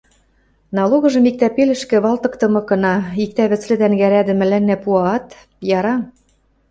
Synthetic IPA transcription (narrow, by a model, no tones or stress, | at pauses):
nɑloɣɤ̆ʒɤ̆mik̚t̪æpelɘ̆ʃkɘ̆βɑlt̪ɤ̆kt̪ɤ̆mɤ̆kɤ̆nɑik̚t̪æβɘ̆t͡slɘ̆d̪ænɡæɾæd̪ɘ̆mɘ̆lænːæpuɑɑt̪ | jɑɾɑ